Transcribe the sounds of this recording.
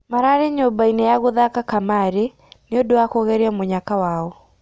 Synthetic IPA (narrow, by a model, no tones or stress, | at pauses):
maɾaɾeɲobainejaɣoðakakamaɾe | neodowakoɣɛɾeamoɲakawaɔ